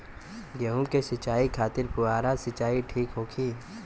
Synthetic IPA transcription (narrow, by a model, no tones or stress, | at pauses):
ɡeɦũkesɪt͡ʃaːikʰaːt̪ɪɾpʊaːɾasɪt͡ʃaːiʈʰiːkɦoːkʰiː